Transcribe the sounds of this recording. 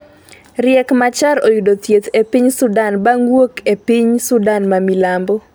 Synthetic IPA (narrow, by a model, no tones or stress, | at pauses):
ɾɪɛkmat͡ʃaɾojudot̪jet̪epiɲsʊdanbaŋwokepiɲsʊdanmamilambo